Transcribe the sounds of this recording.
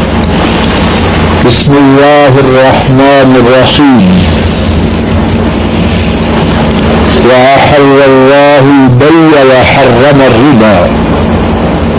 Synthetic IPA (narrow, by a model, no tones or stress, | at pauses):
bɪsmɪlːaːɦɑrˤːɑħmaːnɪrˤːɑħiːm | waʔaħalːalˤːɑːhʊbajːalaħɑrˤːɑmarːɪbaː